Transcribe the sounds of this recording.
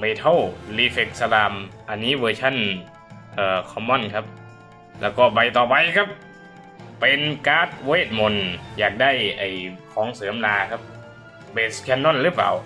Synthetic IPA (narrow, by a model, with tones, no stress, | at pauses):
me˧t̪ʰo˧˩˨wliː˧˩fe˧˩k̚sa˧laː˧mʔa˧nːiː˦˥˨wɤː˧t͡ɕʰa˧˥˨n | ʔəː˨˧˩kʰɔ˧˦mːɔ˧˥˨nkʰa˦˥p̚ | lɛ̰ː˧˩wkɔː˧˩ba˨˧jt̪ɔː˨˩pa˧jkʰa˦˥p̚ | pe˨˧nkaː˦˥˩t̪̚weː˧˥˩t̪̚mo˨˧njaː˨˩k̚da˥˩˨jʔa˨˩jkʰɔː˨˩˦ŋsɤː˨˦əmlaː˧kʰa˦˧˥p̚ | beː˧˩tskʰɛ˧˥nːo˧˥˨nlɯː˦˥pa̰ː˨w